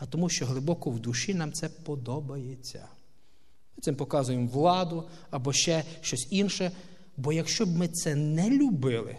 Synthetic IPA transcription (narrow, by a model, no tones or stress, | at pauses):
ɐt̪ɔmuʃt͡ʃɔɦlˠɪbɔkɔwd̪uʃinɑmt̪sɛpɔd̪ɔbɐjet͡sʲːɐ̰ | mɪt̪sɪmpɔkɑzʊjemʋlˠɑd̪ʊ | ɐbɔʃt͡ʃɛʃt͡ʃɔsʲinʃɛ | bɔjɐkʃt͡ʃɔbmɪt̪sɛnɛlʲʊbɪlˠɪ̰